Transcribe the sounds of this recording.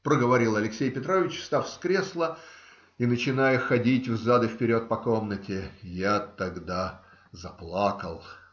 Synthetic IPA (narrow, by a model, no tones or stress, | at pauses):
pɾəɡəvɐɾʲilˠɐlʲɪksʲejpʲɪt̪ɾovʲɪt͡ɕfst̪afskɾʲeslˠə | inət͡ɕɪnajəxɐdʲitʲvzad̪ɨfpʲɪɾʲo̞t̪̚pɐko̞mnətʲɪjat̪ɐɡd̪a | zɐplˠakəlˠ